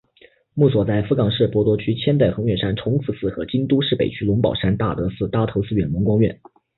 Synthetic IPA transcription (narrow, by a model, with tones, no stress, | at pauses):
mu˥˩swɔ˨˩t͡sa˥˩ɪfu˧˥kɑ˨˩ŋʂɻ̩˥˩pwɔ˧˥t̪wɔ˧˥t͡ɕʰy˥t͡ɕʰjɛ˥nt̪e˥˩ɪxɤ˧˥ŋɥɛ˥˩nʂa˥nʈ͡ʂʰʊ˧˥ŋt͡sʰɹ̩˨˩sɹ̩˥˩xɤ˧˥t͡ɕi˥nt̪u˥ʂɻ̩˥˩pḛ˨˩ɪt͡ɕʰy˥lʊ˧˥ŋpɑ˨˩ʊʂa˥nt̪a̰˥˩t̪ɤ˧˥sɹ̩˥˩t̪a˥t̪ʰo˧˥ʊt͡sʰɹ̩˥˧ɥɛ˨˩nmʊ˧˥ŋkwɑ˥ŋɥɛ̰˥˩n